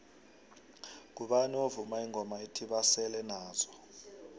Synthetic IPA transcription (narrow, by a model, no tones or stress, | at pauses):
k̬uɓaniovumaiŋʱɔmaitʰiɓasɛlɛnaːzɔ̥